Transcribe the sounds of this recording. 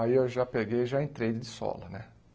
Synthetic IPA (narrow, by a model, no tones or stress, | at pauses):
aiewʒapeɡejʒaẽt̪ɾejd̪ɪd̪ɪsɔ̰lɐnɛ